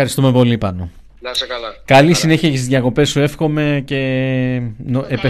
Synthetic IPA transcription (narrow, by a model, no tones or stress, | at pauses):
ɐɾist̪ume̞po̞lipɐno | kɐlisine̞çiɐcesizʝjɐko̞pe̞sːue̞fxo̞me̞ce̞ | noepe